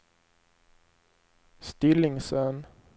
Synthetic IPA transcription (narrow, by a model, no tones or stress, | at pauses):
st̪ɪlɪŋsœn